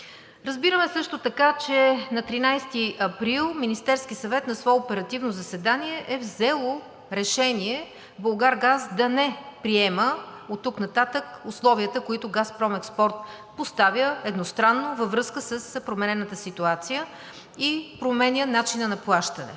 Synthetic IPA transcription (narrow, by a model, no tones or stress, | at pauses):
ɾɐzbiɾəmɛsɤʃt̪ot̪ɐkat͡ʃɛnɐt̪ɾinajst̪iɐpɾilˠminist̪ɛɾskisɐvɛt̪nɐsvɔɛopɛɾɐt̪ivnozɐsɛd̪aniɛʔɛvzɛlˠo | ɾɛʃɛniɛ | bolˠɡaɾɡazd̪ɐnɛpɾiɛməot̪ːuknɐt̪at̪əkʊslˠɔviət̪əkoit̪oɡaspɾɔmɛkspɔɾt̪̚ | post̪avʲjəɛd̪nost̪ɾanːovəvɾɤskəsəspɾomɛnɛnət̪əsit̪uat̪sijə | ipɾomɛnʲənat͡ʃinənɐplˠaʃt̪ənɛ̰